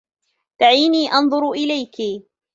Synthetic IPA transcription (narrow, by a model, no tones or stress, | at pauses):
t̪aʕiːniːʔɑnðˤʊɾʔɪlajki